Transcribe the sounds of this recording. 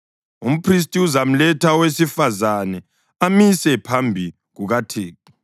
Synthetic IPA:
um̩pʰris̬tʼiuzam̩lɛtʰawesifazanɛ | amisɛpʰambʱi | ɣuɣatʰeːki

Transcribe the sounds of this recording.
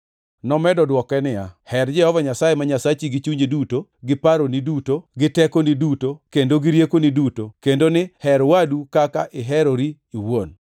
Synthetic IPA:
nɔmɛdɔdwɔkɛnɪa̰hɛrd͡ʒɛhɔvaɲasajemaɲasat͡ʃiɡit͡ʃuɲedutoɡɪpaɾonidutoɡɪtɛkonidutokendoɡɪɾjekonidutokendonɪhɛɾwadukakaʔɪɦɛɾoɾi | iwon

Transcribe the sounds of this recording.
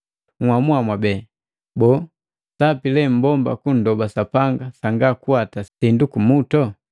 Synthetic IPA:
ŋwamuamwabɛ | bɔ | sapilɛm̩bɔmba̰kun̩dɔbasapaŋɡasaŋɡakuatasindukumutɔ

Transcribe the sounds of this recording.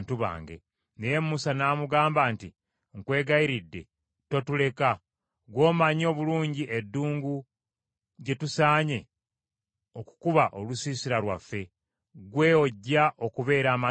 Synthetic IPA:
ntuβa̰ːŋɡe̞̰ | neje̞mːusanaːmuɡaːmbaːnti | ŋkwe̞ːɡaiɾidːe̞ | totule̞ka | ɡwo̞ːmaɲo̞ːβuluːɲɟiʔedːuːŋɡu | ɟe̞tusaːɲe̞ | o̞ku̥kuβaʔo̞lusiːsiɾalwafːe̞ | ɡwe̞oɟːaʔo̞kuβe̞ːɾaːma

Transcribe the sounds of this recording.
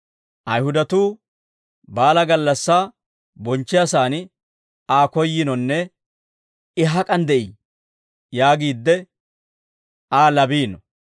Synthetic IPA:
ʔɐjhʊd̪ɐt̪uː | baːlɐɡɐlːɐsːaː | bɔnt͡ʃːɪjasaːn | aːkɔjːɪnɔnːɛ | ɪɦɐkʼɐnd̪ɛʔiː | jaːɡiːd̪ːɛ | aːlɐbiːnɔ

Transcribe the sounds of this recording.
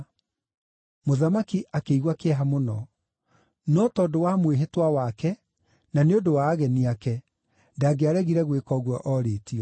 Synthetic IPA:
moðamakiʔakeiɣwakeɦamonɔ | nɔtɔdowamweɦetwawakɛ | naneodowaɣɛniakɛ | ndaːɡeaɾɛɣiɾɛɣwekɔɣwɔʔɔɾeːtiɔ

